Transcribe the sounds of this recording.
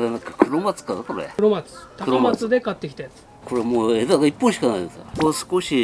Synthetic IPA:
denakḁkɯɾomat͡sɨ̥kad̪akoɾḛɾomat͡sɨ̥t̪akamat͡sɨd̪e̞kat̪ːe̞kʲi̥t̪ajat͡sɨ | ko̞ɾemoːed̪aɡaipːõɕi̥kanaid̪eska̰kosɨ̥koɕi

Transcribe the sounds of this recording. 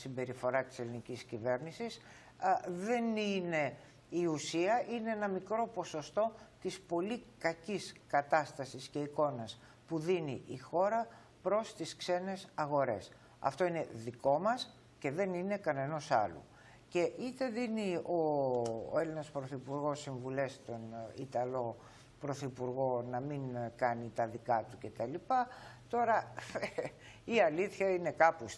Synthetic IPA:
simbe̞ɾifo̞ɾɐt̪i̥se̞liniciscive̞ɾnisis | ðe̞nine̞ | iusiɐʔine̞enɐmikɾo̞po̞so̞st̪o̞t̪ispo̞likɐciskɐt̪ɐst̪ɐsisce̞iko̞nɐs | puðinḭʔixo̞ɾɐ | pɾo̞st̪iskse̞ne̞sɐɣo̞ɾe̞̰s | ɐ̰ft̪o̞ine̞ðiko̞mɐs | ce̞ðe̞nine̞kɐne̞no̞sɐ̰lṵ | ce̞ʔit̪e̞ðinio̰ | e̞linɐspɾo̞θipuɾɣo̞siɱvule̞st̪o̞nḭt̪ɐlo̞ | pɾo̞θipuɾɣo̞nɐmiŋkɐnit̪ɐðikɐt̪uce̞t̪ɐlipɐt̪o̞ɾɐ | iɐliθçɐine̞kɐpus

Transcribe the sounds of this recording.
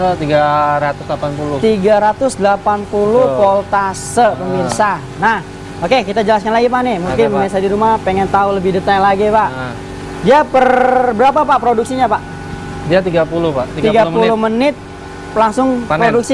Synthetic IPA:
t̪iɡaɾat̪ʊslapanpulʊt̪iɡaɾat̪ʊsdəlapanpulʊhpolt̪asəpəmirsa | nah | okekit̪ad͡ʒəlaskanlaɡip̬anɪmukɪnmisadiɾumapeŋɛnt̪auləbɪhdət̪aŋlaɡipaʔ | diapərbəɾapapapɾoduk̚siɲapaʔ | diat̪iɡapulʊpait̪iɡapulʊmənɪt̪̚ | laŋsʊŋppɾoduk̚si

